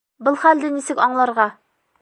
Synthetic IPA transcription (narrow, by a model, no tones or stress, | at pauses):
bɤlˠχæld̪ɘnisɘkɒɴlˠɑɾʁɑ